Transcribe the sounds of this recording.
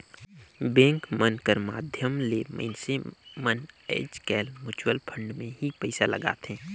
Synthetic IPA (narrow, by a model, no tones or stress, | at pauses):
bẽːŋkmənkəɾma̰ːd̪ʱjəmlemə̰ɪnsemənḛːd͡ʒkɛːlmʊt͡ʃwəlpʰə̃ɳɖmẽɦipɛɪsalə̰ɡa̰ːt̪ẽː